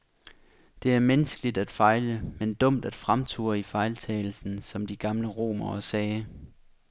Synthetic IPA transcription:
d̥e̝æɐmenəsɡ̥əlid̥æd̥fɑ̈ɪləmend̥ɔ̽m̰d̥æd̥fʁamt͡sʰṵːɐifɑ̈ɪlt͡sʰɛ̰ːl̩sn̩sɒ̽md̥iɡ̥ɑ̈mləʁo̝̰ːmɐɒsɛː

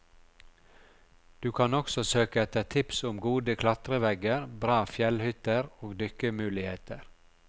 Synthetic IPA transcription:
d̪̥ʉːkʰɑnɔksɔsøːkəɛt̪ət̪ʰɪpsʊmɡuːd̪əkʰlɑt̪ɾəʋɛɡəɾbɾɑːfjɛlhʏt̪əɾoːɡd̪ʏkəmʉːlɪheːt̪əɾ

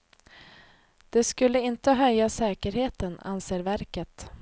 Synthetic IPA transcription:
d̪̥ɛskɵlːəɪnt̪əɦœjːasɛːkəɾheːt̪əna̰nseːɾvæɾkət̪

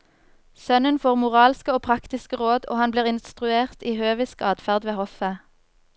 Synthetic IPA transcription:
sœnənfoːʁmʊʁɑːlskəoːpʰʁɑkt̪ɪskəʁoːd̪o̰ːhɑnbliːʁɪnst̪ʁʉeːʁt̪iːhøːʋɪskɑːd̪fæʁd̪ʋeːhɔfə

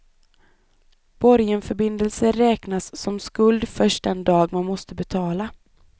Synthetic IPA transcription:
b̥ɔɾjənfœɾbɪnd̪əlsəɾɛːknasːɔmskɵld̪fœʂʈ̚d̪ɛnd̪ɑːɡmanmɔst̪əbɛt̪ʰɑːla

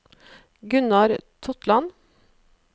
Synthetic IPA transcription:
ɡʉnɑɾt̪ʰʊt̪lɑn

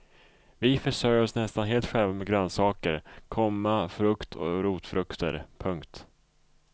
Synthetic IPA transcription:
vɪfœʂøːjɾɔsnɛst̪anɦeːlt̪ɧɛlvamɛɡɾœnsɑːkəɾkʰɔmːafɾɵkt̪ʰɔ̰ɾuːt̪fɾɵkt̪ʰə̰ɾpʰɵŋkt̪

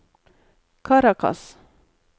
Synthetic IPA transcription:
kʰaɾakʰa̰s

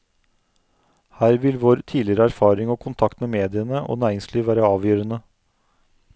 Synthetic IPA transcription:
hæːɾʋɪlʋoːɾt̪ʰiːlɪəɾəæɾfɑːɾɪŋoːkʰʊnt̪ʰɑkt̪meːmeːd̪ɪənəʔo̰ːnæːɾɪŋsliːʋæːɾəɑːʋjøːɾənə

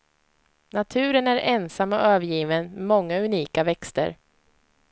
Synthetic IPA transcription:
nat̪ʰʉ̟ːɾənæɾɛnsamːɔøːvəɾjiːvənmɛmɔŋːaɵniːkavɛkst̪ə̰ɾ

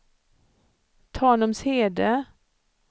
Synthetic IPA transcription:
t̪ʰɑːnɔmsheːd̪ə

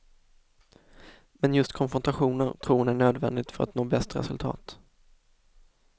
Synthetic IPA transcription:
mɛnjɵst̪kʰɔnfɾɔnt̪aɧuːnəɾt̪ʰɾuːnæɳøːd̪vɛnd̪ɪɡ̚t̪fœɾa̰t̪noːbɛst̪ɾɛ̰sɵlt̪ʰɑ̰ːt̪

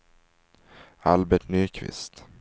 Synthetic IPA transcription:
albɛʈnyːkʰvɪ̰st̪

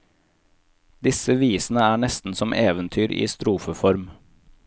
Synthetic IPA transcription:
d̪ɪsəʋiːsn̩əæːɳɛst̪n̩sɔmʔeːʋənt̪ʰyːɾʔḭːst̪ɾuːfəfɔɾm

